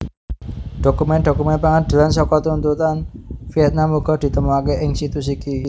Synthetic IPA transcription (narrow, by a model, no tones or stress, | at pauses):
ɖ̪̥o̤kumɛnd̪o̤kumɛnpaŋad̪̥e̤lansɔkɔt̪unt̪ut̪anfiɛt̪̚namuɡ̥ɔ̤d̪̥i̤t̪əmuakeʔɪŋsit̪usiki